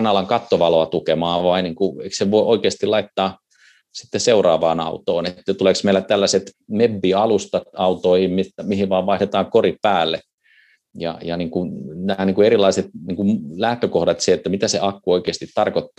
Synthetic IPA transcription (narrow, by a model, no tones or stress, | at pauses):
nɑlːɑŋkɑt̪ːoʋɑloɑt̪ukemɑːʋɑiniːŋkueikseʋoiʔoikeːst̪ilɑit̪ːɑː | si̥t̪ːeseurɑːʋɑ̰ːnɑ̰ut̪oːnet̪ːæt̪uleˑksmeilæt̪ælːæset̪mebːiːɑlust̪ɑɑut̪oihimmiæmihiʋɑːʋpɑiht̪et̪ɑːŋkorippæːlːe | jɑ̰jɑniːŋkunnæːniŋkueɾilːˑɑiset̪̚niːŋkumlæht̪økohdɑt̪seet̪ːæmit̪æseʔɑkːuoikeːst̪it̪t̪ɑrkot̪ːɑ̥ː